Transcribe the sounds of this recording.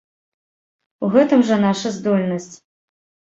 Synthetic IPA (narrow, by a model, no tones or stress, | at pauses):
uɣɛt̪ɨmʐɐnaʂɐzd̪ɔlʲnɐsʲt͡sʲ